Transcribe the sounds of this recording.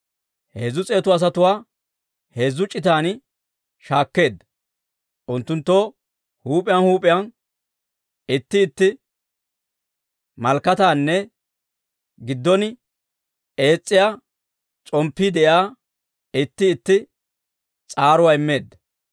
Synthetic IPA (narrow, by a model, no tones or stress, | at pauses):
heːzːʊt͡sʼeːt̪ʊɐs̬ɐt̪ʊwaː | he̞ːzːʊt͡ʃʼːɪt̪aːn | ʃaːkːe̞ːd̪ɐ | ʔʊnt̪ːʊnt̪ːo | huːpʼɪjɐnhuːpʼɪjan | ɪt̪ːɪːt̪ːɪ | mɐlkːɐt̪aːnːɛ | ɡɪd̪ːɔn | e̞ːt͡sʼːɪja | t͡sʼɔmpːid̪ɛʔjaː | ɪt̪ːɪːt̪ːɪ | t͡sʼaːɾʊwaɪmːe̞ːd̪ːɐ